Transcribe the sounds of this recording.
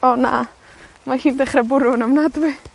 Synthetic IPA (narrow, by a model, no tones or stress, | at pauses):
ɔna̰ | mahiːndɛχrɛbʊɾʊnəmnadwɪ